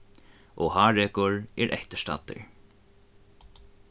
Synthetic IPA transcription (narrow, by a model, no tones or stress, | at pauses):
ʔɔhaːɹɛːkʊɹɛɹʔɛ̰ht̪ə̥ʂt̪a̰t̪ːɪ̰ɹ